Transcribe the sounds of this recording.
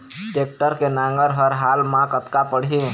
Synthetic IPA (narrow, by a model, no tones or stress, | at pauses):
ʈeːk̚ʈəɾkenãːŋɡəɾɦəɾɦaːlmãkət̪kapəɽ̤ie